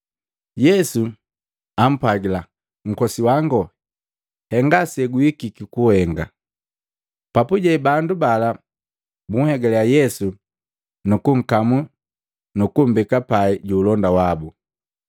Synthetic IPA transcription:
jɛsu | am̩pwaɡila | ŋ̩kɔsiwaŋɡɔ | hɛŋɡasɛɡuikikikuhɛŋɡa | papuɟɛbandubala | buŋ̩hɛɡɛlɛajɛsu | nukuŋ̩kamu | nukum̩bikapaiɟuːlɔndawabu

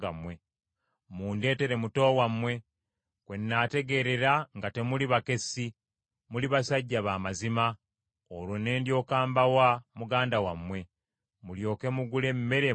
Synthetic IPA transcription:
amwe | muːnde̞ːte̞ɾe̞muto̞ːwamwe̞ | kwe̞nːaːte̞ɡe̞ɾe̞ɾaŋɡate̞muliβake̞si | muliβasaɟːaβaːmazima | olwone̞ːndjo̞ːkaːmbawamuɡaːndawamwe̞ | muljo̞ːke̞muɡule̞mːe̞ɾe

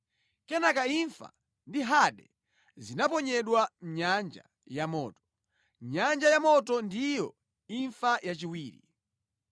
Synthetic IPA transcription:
kɛnakaiɱfa̰ | ndiɦaɗɛ | zinapɔɲɛɗwam̩ɲand͡ʒa̰ | jamɔ̰ːtɔ̥ | ɲand͡ʒajamɔtɔndijɔ | iɱfajat͡ʃiwiːɾḭ

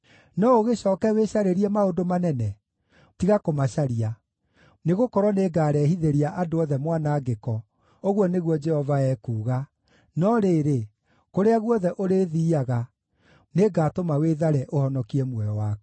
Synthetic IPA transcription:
nɔoɣeɕɔːkɛweɕaɾeɾiɛmaondomanɛnɛ | tiɣakomaɕaɾia | neɣokɔɾwɔneɡaːɾɛhiðeɾiaʔadoɔðɛmwanaːɡekɔ | oɣwɔneɣwɔd͡ʒɛhɔvaɛkuːɣa | nɔɾeːɾe | koɾeaɣwɔðɛʔoɾeðiːaɣa | neɡaːtomaweðaɾɛʔohɔnɔkiɛmwɛjɔwaːk

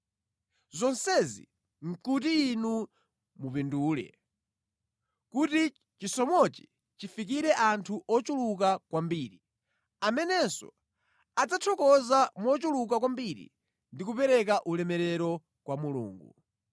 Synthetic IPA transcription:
zɔnsɛzḭ | ŋ̩kut̬iːnu | mupinduːlɛ̰ | kuti | t͡ʃisɔmɔt͡ʃi̥ | t͡ʃifik̬iɾɛʔantʰuʔɔt͡ʃuluk̬akwambiːɾi | amɛnɛsɔ̰ | ad͡zatʰɔkɔzamɔt͡ʃuluk̬ak̬wambiɾḭ | ndikupɛɾɛk̬aʔulɛmɛɾɛɾɔ | kwamulṵːŋɡṵ

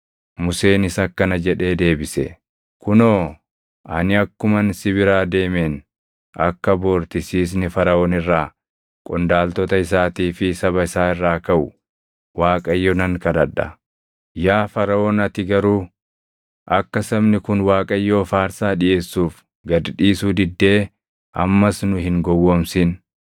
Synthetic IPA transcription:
mʊse̞ːnɪsɐkːɐnɐd͡ʒɛᶑe̞ːd̪e̞ːbɪsɛ̰ | kʊnoː | ʔɐnɪɐkːʊmɐnsɪbɪɾaːd̪e̞ːmeːn | ʔɐkːɐboːɾt̪ɪsiːs̬nɪfɐɾɐoːnɪrːaː | kʼɔnd̪aːlt̪ɔt̪ɐɪs̬aːt̪iːfɪsɐβɐɪsaːɪrːaːkɐʔʊ | waːkʼɐjːonɐŋkɐd̪ɐᶑːɐ | jaːfɐɾɐoːnɐt̪ɪɡɐɾuː | ʔɐkːɐsɐbnɪkʊnwaːkʼɐjːo̞ːfaːɾsaːᶑɪʔe̞ːsːuːf | ɡɐd̪ᶑiːsuːd̪ɪd̪ːe̞ː | ʔɐ̰mːɐsnʊɦɪŋɡɔwːoːmsɪn

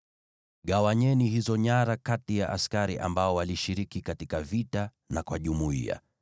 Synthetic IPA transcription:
ɠawaɲɛnihizɔɲaɾakatijaʔa̰skaɾiʔambaɔwaliʃiɾikikatikavita | nakwaʄumuḭa̰

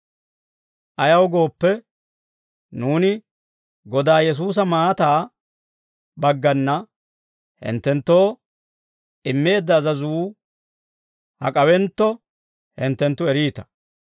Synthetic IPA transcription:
ʔɐjɐwɡo̞ːpːɛ | nuːnɪ | ɡɔd̪aːjɛs̬uːs̬ɐmaːt̪aː | bɐɡːɐnːɐ | hɪ̰nt̪ːɛnt̪ːoː | ʔɪmːe̞ːd̪ːɐːzɐzuː | hɐ̰kʼɐwɛnt̪ːɔ | hɪnt̪ːɛnt̪ːʊɛɾiːt̪ɐ̥

